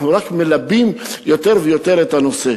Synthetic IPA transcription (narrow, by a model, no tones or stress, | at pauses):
nuʁakmelabimjo̞t̪e̞ʁvejo̞t̪e̞ɾet̪hano̞se